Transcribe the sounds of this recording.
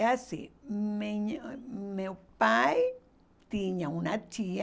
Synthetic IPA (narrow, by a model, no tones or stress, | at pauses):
asḭmeɲmepaj | t̪iɲãunat͡ʃia